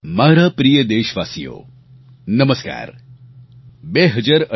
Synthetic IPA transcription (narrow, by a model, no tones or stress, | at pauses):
maːɾapɾijəd̪eːʃʋaːsijo̰ː | nəməska̰ːɾ | beɦəd͡ʒaɾə